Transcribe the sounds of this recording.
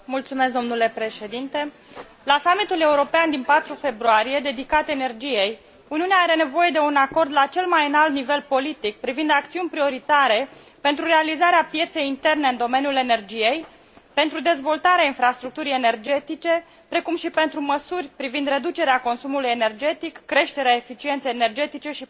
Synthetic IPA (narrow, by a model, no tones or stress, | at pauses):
mult̪sume̞skd̪o̞mnule̞pɾe̞ʃe̞d̪int̪e̞ | lasamit̪ule̞uɾo̞peand̪inpat̪ɾufe̞bɾuaɾije̞d̪e̞d̪ikat̪ene̞rd͡ʒije̞j | uniuneaaɾe̞ne̞vo̞je̞d̪e̞unako̞rd̪lat͡ʃe̞lmajɨnalt̪nive̞l̚po̞lit̪ik̚pɾivind̪akt̪siunʲpɾio̞ɾit̪aɾe̞ | pe̞nt̪ɾuɾe̞alizaɾeapje̞t̪se̞jint̪e̞rne̞ɨnd̪o̞me̞njule̞ne̞rd͡ʒije̞j | pe̞nt̪ɾud̪e̞zvo̞lt̪aɾeainfɾast̪ɾuk̚t̪uɾije̞ne̞rd͡ʒe̞t̪it͡ʃe̞ | pɾe̞kumʃipe̞nt̪ɾuməsurʲpɾivind̪re̞d̪ut͡ʃe̞ɾeako̞nsumulujene̞rd͡ʒe̞t̪ikːɾe̞ʃt̪e̞ɾeaefit͡ʃient̪sejene̞rd͡ʒe̞t̪it͡ʃe̞ʃi